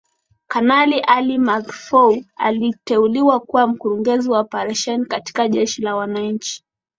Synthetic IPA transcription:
kanaliʔalimakfɔua̰litɛuliwakuwam̩kuɾuŋɡɛziwaɔpaɾaʃɛnikati̥kaʄɛʃilawanaɲ̩t͡ʃi̥

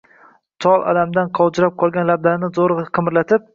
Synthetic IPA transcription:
t̪ʰɒlˠʔa̰lamd̪anqʰɒwd͡ʒɪɾap̚qʰɒlˠɡʲanlab̚d̪anɪzoɾqʰɨmɾlat̪ʰɪp̚

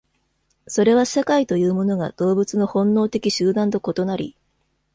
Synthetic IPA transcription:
so̞ɾe̞βasakait̪o̞jɯ̟ːmo̞no̞ɡa̰d̪̥o̞ːbɯ̟t͡sɨno̞hõ̞nːo̞ːt̪e̞kʲiɕɨːd̪ãnt̪̬o̞ko̞t̪o̞naɾʲḭ

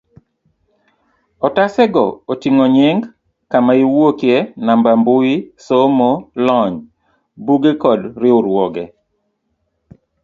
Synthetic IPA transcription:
ɔtasɛɡɔotiŋoɲɪŋɡ | kamaiwokjenambambʊisomolɔɲ | buɡekɔdɾɪʊɾwɔɡɛ

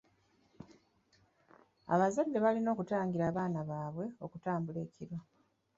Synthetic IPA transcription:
a̰βazadːe̞βalino̞ːkutaːŋɡiɾaːβaːnaβaːβwe̞o̞kutaːmbule̞ːciɾo̞

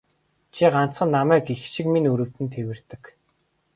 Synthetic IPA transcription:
t͡ɕʰiɢan̥t͡sχə̆nːamæːkixʃikminuɾɵ̆wt̪ɘ̆nt̪ʰewɘ̆r̥t̪ɘ̆k

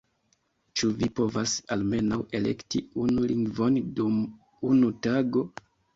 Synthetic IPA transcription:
t͡ʃuvipo̞vasalme̞nawe̞le̞̰ktiunuliŋɡvo̞ndum | unutaɡo̞

